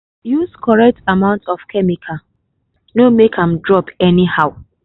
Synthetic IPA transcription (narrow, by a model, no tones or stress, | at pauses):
juskʰɔɹɛk̚tʰamãʊ̃ntɔfkʰɛmikʰa | nomekʰãmdɹɔpɛnihaʊ